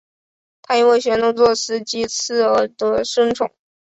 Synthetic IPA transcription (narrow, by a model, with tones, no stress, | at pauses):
t̪ʰa˥˧i˥we˥˩ɪɕɥɛ˧˥nt̪ʊ˥ŋt͡swɔ˥˩ʂɻ̩˧˥t͡ɕi˧˥t͡sʰɹ̩˥˩ə˧˥d̪ə˧ʂə˥ŋʈ͡ʂʰʊ̰˨˩˦ŋ